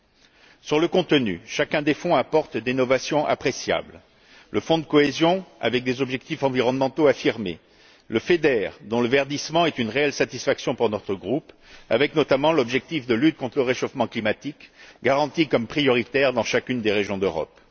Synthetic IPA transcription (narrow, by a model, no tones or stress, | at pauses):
syʁləkɔ̃t̪ənyʃakɛ̃d̪efɔ̃apɔʁt̪d̪inɔvasjɔ̃ʔa̰pχesja̰bl | lʔəfɔ̃d̪əkɔezjɔ̃a̰vɛk̚d̪ezɔbʒɛkt̪ifɑ̃viʁɔnmɑ̃t̪oafiʁmḛ | ləfed̪ɛʁd̪ɔ̃ləvɛʁd̪ismɑ̃ɛt̪ynʁeɛlsat̪isfaksjɔ̃puʁnɔt̪χəɡʁup | avɛknɔt̪amɑ̃lɔbʒɛk̚t̪ifd̪əlyt̪̚kɔ̃t̪χələʁeʃofmɑ̃klimat̪ikɡaʁɑ̃t̪ikɔmpχijɔʁit̪ɛʁd̪ɑ̃ʃakʲynd̪eʁeʒjɔ̃d̪øʁɔ̰p